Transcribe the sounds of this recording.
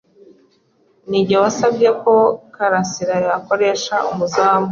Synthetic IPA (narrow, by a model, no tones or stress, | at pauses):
niɟewasabɟeko̞kaɾasiɾajako̞ɾe̞ːʃaumuzaːmbu